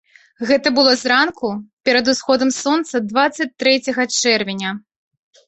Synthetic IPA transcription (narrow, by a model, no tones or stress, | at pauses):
ɣɛt̪ɐbɨlˠɔzɾankupʲɛɾɐd̪usxɔd̪ɐmsɔnt̪sɐd̪vat̪sːɐt͡sʲt̪ɾɛt͡sʲɐɣɐt͡ʂɛrvʲɪnʲɐ